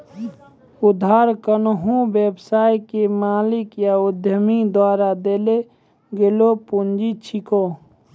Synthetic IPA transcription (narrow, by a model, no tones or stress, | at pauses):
ʊd̪ʱaːɾkənəɦũbjebsaːjkemaːlɪkjaʊd̪ʱjəmid̪waːɾad̪eːle | ɡeːlopund͡ʒit͡ʃʰiko